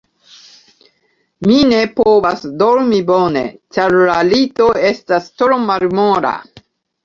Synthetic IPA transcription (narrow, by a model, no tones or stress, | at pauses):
mine̞povasdoɾmibo̞nḛt͡ʃaɾlalito̞e̞stastɾomalmoɾa̰